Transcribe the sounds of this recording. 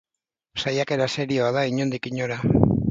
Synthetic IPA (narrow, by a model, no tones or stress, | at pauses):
sajake̞ɾase̞ɾio̞aðaiɲond̪ikiɲo̞ɾa